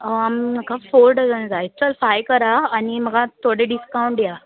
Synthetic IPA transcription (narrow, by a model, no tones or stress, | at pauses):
əamnəkʰafoːɾɖəzənzaitəlfajkəɾaːniməɡat̪ʰoɽeɖiskaũɳʈ̚dja